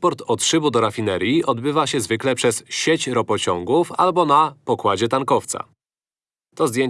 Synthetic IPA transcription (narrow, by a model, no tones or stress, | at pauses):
pɔɾt̪ɔtʂɘbud̪ɔɾafʲinɛɾjiʔɔd̪bɘvaɕɛzvɘklɛpʂɛsɕet͡ɕɾɔpɔt͡ɕɔŋɡufa̰lbɔnapɔkwad͡ʑɛt̪aŋkɔft̪sa̰ | t̪ɔzd̪jeɲ